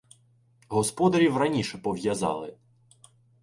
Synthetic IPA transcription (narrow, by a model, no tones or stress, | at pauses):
ɦɔspɔd̪ɐɾʲiwrɐnʲiʃɛpɔʋjɐzɑ̰lˠɪ